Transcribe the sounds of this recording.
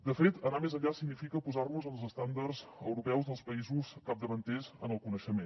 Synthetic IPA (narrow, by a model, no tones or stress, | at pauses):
d̪əfet̪ənamezəʎasiɡnifikəpuzarnuzəlˠzəst̪and̪ərzə̰wɾupɛwzðəlˠspəizuskap̚d̪əβənt̪ɛzə̰nəlˠkunəʃəmen